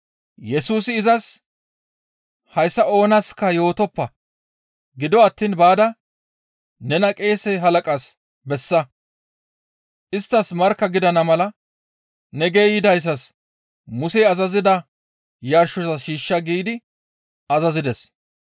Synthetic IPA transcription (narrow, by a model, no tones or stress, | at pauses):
jɛsuːsɪːzɐs | hɐjsːɐo̞ːnɐskːɐjo̞ːt̪ɔpːɐ | ɡɪd̪ɔɐt̪ːiːnbaːd̪ɐ | nɛnɐkʼe̞ːsɛɦɐlɐkʼas | bɛsːɐ | ʔɪst̪ːɐsmɐɾkːɐɡɪd̪ɐnɐmɐlɐ | nɛɡejɪd̪ɐjs̬ːɐs | mʊsɛɐzɐzɪd̪ɐ | jɐɾʃːɔzɐʃiːʃːɐɡiːd̪ɪ | ɐzɐzɪd̪ɛs